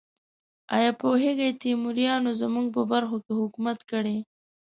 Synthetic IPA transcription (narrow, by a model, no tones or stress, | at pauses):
ɑ̰jɑpoɦeɡajt̪imuɾjɑnozamuŋɡ̚pəbaɾxokehʊkumat̪kəɽe